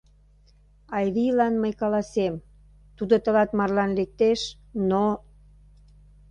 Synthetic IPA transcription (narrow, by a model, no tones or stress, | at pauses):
ɑjβilɑnməjkɑlɑsem | t̪ud̪ot̪ə̆lɑt̪mɑrlɑnlek̚t̪eʃ | no